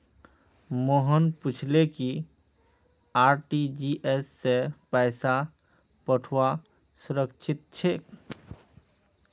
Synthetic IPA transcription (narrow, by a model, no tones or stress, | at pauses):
moɦənput͡ʃʰleki | aːɾʈid͡ʒiʔesːepɛɪsa | pəʈʰwa | suɾəkt͡ʃʰit̪̚t͡ʃʰe